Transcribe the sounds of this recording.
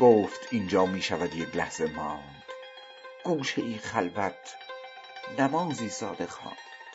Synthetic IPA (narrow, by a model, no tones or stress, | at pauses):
ɡ̥oːft̪ʰiːnd͡ʒɒːmiːʃævæd̪je̞clæhz̥e̞mɒːn | d̪̥ | ɡ̥uːʃeʔiːnxælvæt̪ʰ | næmɒːziːsɒ̰ːd̪e̞xɑ̰ːnd̪d̪̥